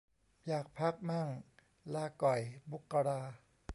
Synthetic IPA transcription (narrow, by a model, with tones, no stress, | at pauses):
jaː˨˩k̚pʰa˦˥k̚ma˥˩ŋ | laː˧˩kɔ˨˩jbu˦˥kːa˧ɾaː˧